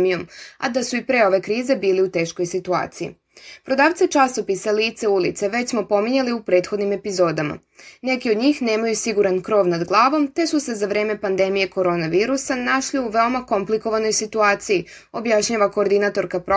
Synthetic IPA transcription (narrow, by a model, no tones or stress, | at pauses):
mijo̞ma̰d̪asuipɾe̞o̞ʋe̞kɾiːze̞biːliut̪e̞ːʃko̞jsit̪ua̰ːt̪sijḭ | pɾo̞d̪aːʋt̪set͡ʃaso̞pisaliːt̪seulit̪seʋe̞t͡ɕsmo̞po̞miɲeliupɾe̞ːt̪xo̞d̪nime̞pizo̞ːd̪ama̰ | ne̞kio̞d̪ɲiːxne̞ːmajusiɡuɾankɾo̞ːʋnad̪ɡlˠaːʋo̞mt̪e̞suse̞zaʋɾe̞ːme̞pand̪e̞mije̞ko̞ɾo̞naʋiːɾusanaʃliuʋe̞o̞mako̞mpliko̞ʋano̞jsit̪uaːt̪siji | o̞bjaʃɲaːʋako̞ːɾd̪inat̪o̞ɾkapɾo